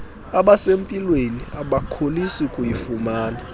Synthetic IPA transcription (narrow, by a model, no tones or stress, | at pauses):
aɓasempʼilweniaɓakʰolisikʼujifumaːna